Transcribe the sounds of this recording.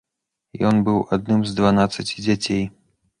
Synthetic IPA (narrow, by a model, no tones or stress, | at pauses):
jɔnbɨwad̪̚nɨmzd̪vanat̪sɐt͡sʲid͡zʲat͡sʲej